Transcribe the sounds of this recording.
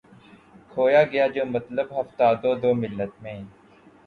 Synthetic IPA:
kʰoːjaːɡɐjaːd͡ʒoːmət̪ləbɦɐft̪aːd̪oːd̪oːmɪlːət̪mẽː

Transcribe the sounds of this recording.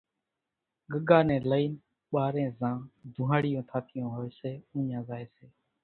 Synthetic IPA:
ɠəɡaːnɛ̃ːləiːn | ɓaːɾẽːzãːd̪ʱũːɦaːɽɪjõːt̪ʰaːt̪ʰɪjõːɦoːeːseːũːɲãːzaːeːseː

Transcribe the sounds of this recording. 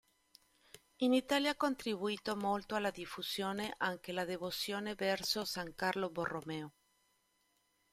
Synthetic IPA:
init̪aljaakːont̪ɾiβuiːt̪omolt̪oalːad̪ifusjoːneʔaŋkelad̪evosjoːnevɛrsosaŋkarloboromɛo

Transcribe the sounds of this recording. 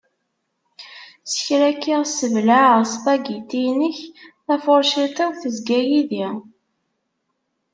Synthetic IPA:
sə̥çɾækːiʁsəvlaʕʁsˤpæɡit̪ijnəçθæfoɾˤʃit̪əθəzɡæjiði

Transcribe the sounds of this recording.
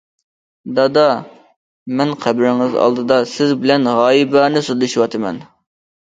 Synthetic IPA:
d̪ɑd̪ɑ | mɛnqʰæbɾɪŋɪzɑ̰lˠd̪ɨd̪ɑsɪzbɪlɛnʁɑːjibɑnɪsulˠɪʃiwɑt̪ʰɨmɛ̰n

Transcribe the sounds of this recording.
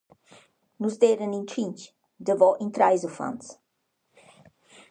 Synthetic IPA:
nuzd̪eɾənĩntɾĩnt͡ʃ | d̪əvɔʔĩnt̪ɾajzɔfã̰ns

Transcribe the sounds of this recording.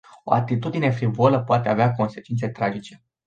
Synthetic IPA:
o̞̰a̰t̪it̪ud̪ine̞fɾivoaləpoat̪e̞aveako̞nse̞t͡ʃint̪se̞t̪ɾad͡ʒit͡ʃe̞

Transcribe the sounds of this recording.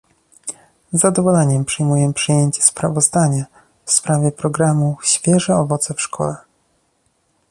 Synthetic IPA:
zːad̪ɔvɔlɛɲɛmpʂɘjmujɛpʂɘjeɲt͡ɕɛ̥spɾavɔzd̪aɲa | fspɾavʲjɛpɾɔɡɾamuɕfʲjɛʐɛɔvɔt̪sɛfʂkʰɔ̰lɛ

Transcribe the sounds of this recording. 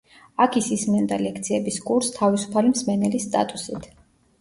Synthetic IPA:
akʰisismɛnd̪alɛk̚ʰt̪sʰiɛbiskʼuɾst̪ʰavisu̥pʰalimsmɛnɛlisːt̪ʼa̰t̪ʼusit̪ʰ

